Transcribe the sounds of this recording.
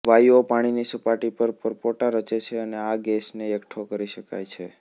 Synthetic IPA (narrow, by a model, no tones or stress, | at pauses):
ʋajopaɽ̃inisəpaʈipəɾpəɾpoʈaɾət͡ʃet͡ʃʰeəneaɡesneəkʈʰokəɾiʃəka̰jt͡ʃʰe